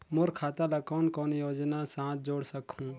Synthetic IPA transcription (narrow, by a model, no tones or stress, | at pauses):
mʊɾkʰaːt̪alakɔːnkɔːnjoːd͡ʒnasãːt̪̚ʰd͡ʒoːɽsəkʰũː